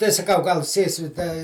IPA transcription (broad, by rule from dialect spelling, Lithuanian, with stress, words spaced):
tɐɪ sɐˈkɐʊ ɡɐlˠ ˈsʲeːsʲɪ dɐ